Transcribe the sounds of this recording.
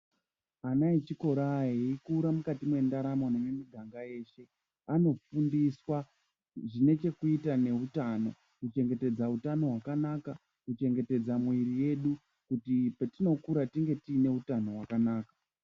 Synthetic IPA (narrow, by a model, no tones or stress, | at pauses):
anait͡ʃiko̞ɾaːɦeikuːɾamukatimwe̞ndaɾamonomemiɡʱaŋɡaje̞ːʃe̞ | ano̞fundiswa | ʐine̞t͡ʃe̞kuitane̞ɦutano̞̰ | kut͡ʃe̞ŋɡe̞te̞d͡zautano̞ɦwakanaka | kut͡ʃe̞ŋɡe̞te̞d͡zamwiɾije̞ɗu | kutipetino̞kuɾatiŋɡe̞tiːne̞utano̞ɦwakanaːkḁ